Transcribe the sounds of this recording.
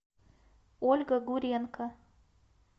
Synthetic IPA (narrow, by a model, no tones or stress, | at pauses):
olʲɡɐɡuɾʲenkɐ